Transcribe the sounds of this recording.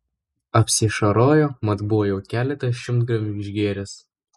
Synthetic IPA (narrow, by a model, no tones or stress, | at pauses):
ɐpʲsʲɪʃɐɾoːjoːmɐt̪bʊʋoːjɛʊkʲæːlʲɛt̪ɐʃʲɪmt̪ɡɾɐmʲɪnʲɪʒʲɡʲeːɾʲɛs